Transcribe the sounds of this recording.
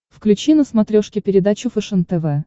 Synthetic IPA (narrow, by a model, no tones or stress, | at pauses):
fklʲʉt͡ɕinəsmɐt̪ɾʲoʂkʲɪpʲɪɾʲɪd̪at͡ɕʊfɨʂənt̪ɛvɛ